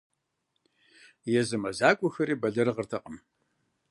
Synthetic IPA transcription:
jɛzɨmɐzaːkʷʼʊxɐɾiːbɐɮɐrɨʁərtʰɐqʼəm

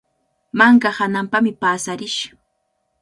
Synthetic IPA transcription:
maŋkahanampamɪpaːsaɾɪʃ

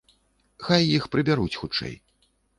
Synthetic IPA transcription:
xajːixpɾɨbʲaɾut͡sʲxut͡ʂɛ̰j

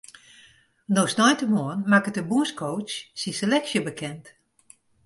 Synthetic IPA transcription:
nosnɔjtəmoənmakətəbuəskʰowt͡ʃsiselɛksjəbəkʰɛnt

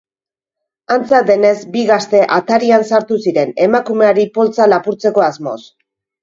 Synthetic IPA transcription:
ant͡saðe̞ne̞zbiɣast̪e̞ʔat̪aɾiansaɾt̪usiɾe̞ne̞makume̞aɾipo̞lt͡salapuɾt͡se̞ko̞azmo̞̰s

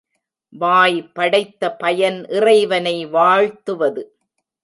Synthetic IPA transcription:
ʋaːjpːɐɽɐɪt̪ːɐpɐjɐnʔɪrɐɪʋɐnɐɪʋaːɻt̪ɯʋɐðɯ

